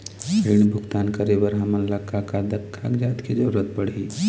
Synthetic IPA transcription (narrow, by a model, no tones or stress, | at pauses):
piɽ̃bʱʊɡt̪aːnkəɾebəɾɦəmənlakʰːakad̪əkʰːakd͡ʒaːt̪ked͡ʒəɾuɾət̪̚pəɽ̤i